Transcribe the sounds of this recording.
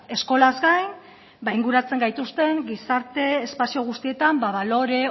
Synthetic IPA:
e̞sko̞lazɡajn | bajŋɡuɾat͡se̞ŋɡajt̪ust̪e̞ŋɡisaɾt̪e̞ːspasio̞ɣ̞ust̪ie̞t̪ambaβalo̞ɾe̞

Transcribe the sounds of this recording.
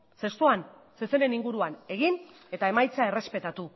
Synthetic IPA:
se̞st̪uan | seseɾe̞niŋɡuɾuane̞ɣ̞in | e̞t̪ae̞majt͡sae̞re̞spe̞t̪at̪u

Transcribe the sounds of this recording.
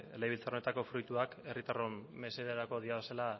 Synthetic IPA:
ḛleβilt͡saone̞t̪ako̞fɾujt̪uake̞rit̪aromːe̞se̞ðeɾako̞ð̞iaβe̞sela

